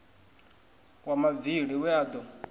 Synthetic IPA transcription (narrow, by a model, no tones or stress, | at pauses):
wamaviɺiwɛaːd̪ɔ